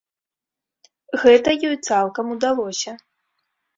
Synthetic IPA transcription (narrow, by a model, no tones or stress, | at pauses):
ɣɛt̪ɐjɔjt̪salˠkɐmud̪alˠɔsʲɐ